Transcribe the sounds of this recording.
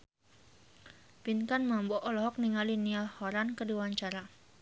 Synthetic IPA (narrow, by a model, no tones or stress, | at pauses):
pinkanmambɔʔɔlɔɦɔk̚niŋalinialhɔɾankədiwaɲt͡ʃaɾa